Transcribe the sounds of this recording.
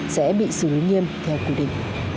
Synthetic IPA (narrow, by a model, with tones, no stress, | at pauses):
sɛ̰˧˥ɓḭ˧˨sɨ˨˩li˨˦ŋi˧əmt̪ʰɛ˧wkwi˧˩ɗḭ̈˧˨ŋ̟